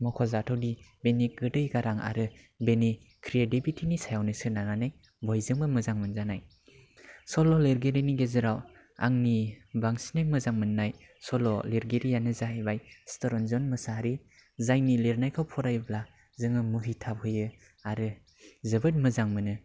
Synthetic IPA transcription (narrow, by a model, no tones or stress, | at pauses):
mɔkʰɔzatʰawdibeniɡɯdɯjɡaɾaŋa̰ɾɯ | beni | kʰɾiedibitʰinisajawnɯsɯnananaj | bɔjzɯŋbɯmɯzaŋmɯnzanaj | sɔlɔleɾɡeɾiniɡezɯɾaw | a̰ŋnibaŋsinajmɯzaŋmɯnːaj | sɔlɔleɾɡeɾijanɯzaɦajbajstɔɾɔnzɔnmɯsaɾi | zajnileɾnajkʰawpʰɔɾajbla | zɯŋɯmɯɦitʰap̚hɯjɯ | aɾɯ | zɯbɯt̚mɯzaŋmɯnɯ